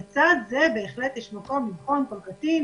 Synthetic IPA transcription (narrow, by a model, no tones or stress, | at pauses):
t͡sad̪zebeːχlet̪jɛʃmako̞miχonkolkat̪i